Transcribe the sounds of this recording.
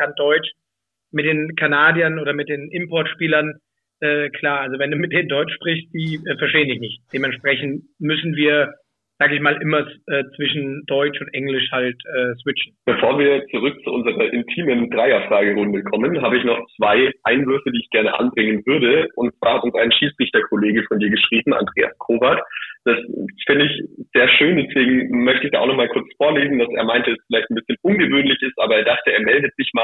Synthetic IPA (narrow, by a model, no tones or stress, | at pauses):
kʰandɔʏt͡ʃ | mɪt̚d̥eːnkʰanaːdjɐnʔoːdɐmɪt̚d̥eːnʔɪmpʰɔɐtʃpiːlɐn | ʔɛːkʰl̥aːɐʔalzovɛnduːmɪt̚d̥eːndɔʏt͡ʃʃpʁ̥ɪçstd̥iːʔɛːfɛɐʃteːəndɪçnɪçt̚d̥eːmɛntʃpʁ̥ɛçn̩tmʏsn̩viːɐ | z̥aːɡəɪçmaːlʔɪmɐsʔɛːt͡sv̥ɪʃn̩d̥ɔʏt͡ʃʊntʔɛŋlɪʃhaltʔɛːsv̥ɪt͡ʃn̩b̥əfoːɐviːɐt͡suʁʏk̚t͡suʔʊnzəʁɐʔɪntʰiːməndʁaɪɐfʁ̥aːɡəʁʊndəkʰɔmənɦaːbəɪçnɔχt͡sv̥aɪʔaɪnvʏɐfədiːɪçɡ̥ɛɐnəʔa̰nbʁɪŋənvʏɐdəʊntt͡sv̥a̰ːɐhatʊnsaɪnʃiːt͡sʁ̥ɪçtɐkʰoleːɡəfɔndiːɐɡəʃʁ̥iːbm̩ʔa̰ndʁḛːa̰skʰoːvaɐtd̥asfɪndəɪçz̥eːɐʃøːndɛsv̥eːɡŋ̩mœçtəɪçd̥aːʔaʊnɔχmaːlkʰʊɐt͡sfoːɐleːzn̩d̥asʔḛːɐmaɪntəɛsfɪlaɪçt̚n̩bɪsçənʔʊnɡəvøːnlɪçɪstʔaːbɐeːɐdaχtəeːɐmɛldətz̥ɪçmaː